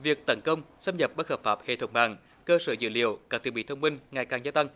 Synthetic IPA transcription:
vi˨˩ək̚t̪ə˨˦nkə˧wŋ͡msa˧mɲə˨˩p̚ɓə˦˥həː˨˩p̚faː˦˥p̚hḛ˧˨t̪ʰə˨˦wŋ͡mɓaː˨˩ŋ | kəː˧səː˧˩zɨ̰˧˨lḭ˧˨əwkaː˦˥t̪ḭ˨˧˨ɓḭ˧˨t̪ʰə˧wŋ͡mmï˧ŋ̟ŋa˨˩jkaː˨˩ŋzaː˧t̪a˧ŋ

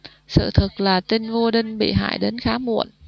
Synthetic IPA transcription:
sɨ̰˧˨t̪ʰɨ˨˩k̚laː˨˩t̪i˧nvo˧ɗï˧ŋ̟ɓḭ˧˨ɦa̰ː˧˨jɗe˨˦nxaː˨˦mṵ˧˨ən

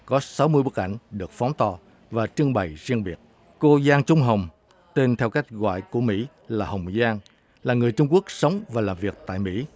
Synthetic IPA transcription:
kɔ˨˦sa˨˦wmɨ˧əjɓə˦˥k̚ʔa̰˧˨jŋ̟ɗɨ˨˩ək̚fɔ˨˦wŋ͡mt̪ɔ˨˩ | vaː˨˩t͡ɕɨ˧əŋɓə˨˩jzi˧ənɓi˨˩ət̚ | ko˧zaː˧ŋt͡ɕʊ˨˧˦ŋ͡mɦə˨˩wŋ͡m | t̪e˧nt̪ʰɛ˧wka˦˥jk̟̚ɣwa̰ː˧˨jku˧˩əmḭ˧˥ | laː˨˩hə˨˩wŋ͡mzaː˧ŋ | laː˨˩ŋɨ˨˩əjt͡ɕʊ˧ŋ͡mku˦˥ək̚sə˨˦wŋ͡mvaː˨˩laː˨˩mvi˨˩ək̚t̪a̰ː˧˨jmḭ˧˥

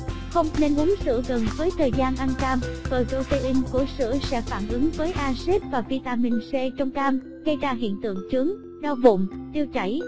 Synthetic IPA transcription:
xə˧wŋ͡mne˧nʔu˨˦ŋsɨ̰˧˥ɣə˨˩nvəː˨˦jt̪ʰəː˨˩jzaː˧nʔa˧nkaː˧mvəː˨˩jto˧t̪e˧ʔï˧ŋ̟ku˧˩əsɨ̰˧˥sɛ̰˧˥faː˧˩nʔɨ˨˦ŋvəː˨˦jʔaː˧se˦˥p̚vaː˨˩vi˧t̪aː˧mï˧˩ŋ̟se˧t͡ɕɔ˧wŋ͡mkaː˧m | ɣə˧jzaː˧ɦḭ˧˨ənt̪ɨ̰˧˨əŋt͡ɕɨ˨˦əŋ | ɗaː˧wvʊ̰˧˨ŋ͡mt̪i˧əwt͡ɕa˧˩j

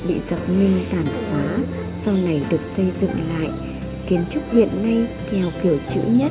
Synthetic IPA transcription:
ɓḭ˧˨zə˨˩p̚mi˧ŋt̪aː˧˩nxwaː˨˦ | sa˧wna˨˩jɗɨ˨˩ək̚sə˧jzɨ̰˧˨ŋla̰ː˧˨jʔ | ki˨˦ənt͡ɕʊ˦˥k͡p̚hḭ˧˨ənːa˧j | kɛ˨˩wki˧˩ət͡ɕɨ̰˧˥ɲə˦˥t̚

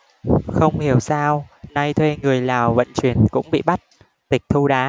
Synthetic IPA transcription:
xə˧wŋ͡mhi˨˩əwsaː˧wna˧jt̪ʰwe˧ŋɨ˨˩əjlaː˨˩wvə̰˧˨nt͡ɕwi˨˩ənkʊ̰˧˥ŋ͡mɓḭ˧˨ɓa˦˥t̚ | t̪ï˨˩k̟̚t̪ʰu˧ɗaː˨˦

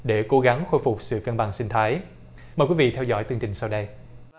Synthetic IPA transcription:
ɗe˧˩ko˨˦ɣa˨˦ŋxo˧jfʊ˨˩k͡p̚sɨ̰˧˨kə˧nɓa̰ː˧˨ŋsï˧ŋ̟t̪ʰaː˨˦j | məː˨˩kwi˦vḭ˧˨t̪ʰɛ˧wzɔ̰˧˥˩jt̪i˧əŋt͡ɕï˨˩ŋsa˧wɗə˧j

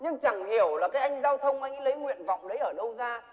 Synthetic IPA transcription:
ɲɨ˧ŋt͡ɕa˧˩ŋhi˨˩əwlaː˨˩kaː˨˦jʔa˧jŋ̟zaː˧wt̪ʰə˧wŋ͡mʔa˧jŋlə˨˦jŋwḭ˧˨ənva̰˧˨wŋ͡mɗə˨˦jʔəː˧˩ɗə˧wzaː˧

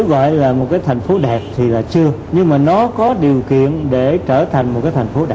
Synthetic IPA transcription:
ɣɔ̰˧˨jlaː˨˩mo˨˩t̚kaː˨˦jt̪ʰŋ̟fo˨˦ɗɛ˨˩p̚t̪ʰi˨˩laː˨˩t͡ɕɨ˧əɲɨ˧ŋmaː˨˩nɔ˨˦kɔ˨˦ɗi˨˩əwkḭ˧˨ənɗe˧˩t͡ɕəː˧˩t̪ʰa˨˩jŋ̟mo˨˩t̚kaː˨˦jt̪ʰa˨˩ŋ̟fo˨˦ɗa˨˩

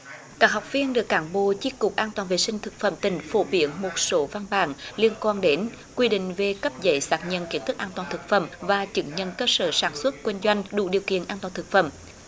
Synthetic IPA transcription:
kaː˦˥k̚ɦa˨˩wk͡p̚vi˧ənɗɨ˨˩ək̚ːaː˨˩˦nɓo̰˧˨t͡ɕi˧kʊ˨˩k͡p̚ʔaː˧nt̪waː˨˩nvḛ˧˩sï˧ŋ̟t̪ʰɨ˨˩k̚fə̰˧˩mt̪ï˨˩ŋ̟fo˧˩ɓi˧˦ənmo˨˩t̚so˨˦va˧nɓa̰ː˧˩nli˧ənkwaː˧nɗe˨˦n | kwi˧ɗḭ̈˧˨ŋ̟ve˨˩kə˦˥p̚zə˧˨˦jsaː˦˥t̚ɲə̰˧˨nki˧˦ət̪ʰɨ˦˥k̚ʔaː˧nt̪waː˨˩nt̪ʰk̚fə̰˧˩˨mvaː˨˩t͡ɕɨ˨˧˦ŋɲə̰˧˨nkəː˧səː˧˩saː˧˩nswə˦˥t̚kwi˧ŋ̟zwa˧jŋ̟ɗṵ˧˩ɗi˨˩əwkḭ˧˨ənʔaː˧nt̪waː˨˩t̪ɨ˨˩k̚fə̰˧˩m

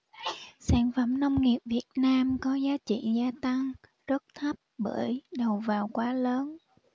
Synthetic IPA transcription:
saː˧˩nfə˧˩mnə˧wŋ͡mŋi˨˩əp̚vi˨˩ət̚naː˧mkɔ˨˦zaː˨˦t͡ɕḭ˧˨zaː˧t̪a˧ŋ | zə˦˥t̚t̪ʰə˦˥p̚ɓə̰ː˧˩jɗə˨˩wvaː˨˩wkwaː˨˦ləː˨˦n

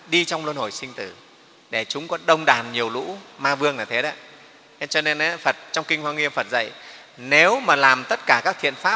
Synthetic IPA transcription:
ɗi˧t͡ɕɔ˧wŋ͡mlwə˧nho˧˩jsï˧ŋ̟t̪ɨ˧˩ | ɗe˧˩t͡ɕʊ˨˦ŋ͡mkɔ˨˦ɗə˧wŋ͡mɗaː˨˩nɲi˨˩əwlṵ˧˥maː˧vɨ˧əŋnaː˨˩t̪ʰe˨˦ɗə˨˦˨ | t͡ɕɔ˧ne˧nʔa˨˦fə˨˩t̚t͡ɕɔ˧wŋ͡mkï˧ŋ̟hwaː˧ŋwi˧əmfə˨˩t̚zə̰˧˨j | ne˨˦wmaː˨˩laː˨˩mt̪ə˦˥t̚kaː˧˩kaː˦˥k̪̚ʰḭ˧˨ənfaː˦˥p̚

